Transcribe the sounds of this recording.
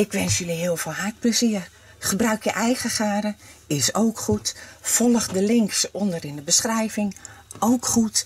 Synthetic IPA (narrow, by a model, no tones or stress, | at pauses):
ɪkʋɛnsjøliɦɪːəlˠvolˠɦaɹt̚pləziːər | χəbrœɥkjəʔɛjχəχaːdəɪsowkχutfɔlˠəχdəlɪŋksɔndərɪndəbəsχrɛjvɪŋowkχut